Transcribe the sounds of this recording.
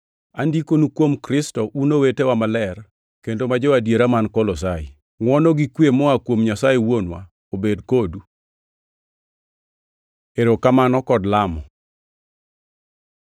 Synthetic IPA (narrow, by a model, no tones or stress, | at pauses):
andikonukwomkɾɪstɔʔunowetewamalɛr | kendomad͡ʒɔwadjeɾamankɔlɔs̬ai | ŋwɔnɔɡikwemɔakwomɲasajewonwa̰ | obedkodu | eɾokamanɔkɔdlamɔ